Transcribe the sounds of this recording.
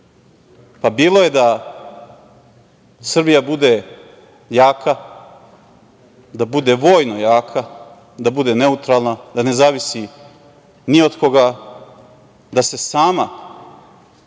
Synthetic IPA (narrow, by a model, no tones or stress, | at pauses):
pabiːlˠo̞je̞d̪a | sr̩bijabud̪e̞ | jaːkʰa | d̪abud̪e̞ʋo̞ːjno̞jaːkʰa | d̪abud̪e̞ne̞ut̪ɾaːlˠnad̪ane̞zaːʋisi | nio̞d̪ko̞ɡa | d̪ase̞saːma